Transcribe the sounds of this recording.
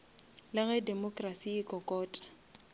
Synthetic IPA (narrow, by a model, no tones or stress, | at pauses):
lɪɣɛdɛmɔkʼrasiːkʼɔkʼɔːtʼḁ